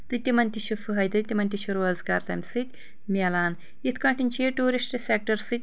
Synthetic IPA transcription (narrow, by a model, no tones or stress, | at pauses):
t̪ɨt̪ʲːimɐnʲt̪iʃufɨɦɐjd̪ɨt̪ʲːimɐnʲt̪ʲiʃuɾɐzka̰ːɾt̪ɐmʲsɨt̪ʲ | mʲɐlaːn | it̪ʰkɐ̃ɳʈinʲt͡ʃeʈuːɾisʈsʲek̚ʈɐɾsɨt̪̚ʲ